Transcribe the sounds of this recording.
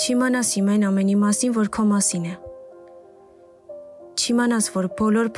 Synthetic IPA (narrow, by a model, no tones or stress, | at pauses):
t͡ʃʰimɑnɑshimɑjnɑmɛnimɑsinvɔɾkʰɔmɑsinɛ | t͡ʃʰimɑnɑt͡sʰvɔɾbɔlɔɾpʰ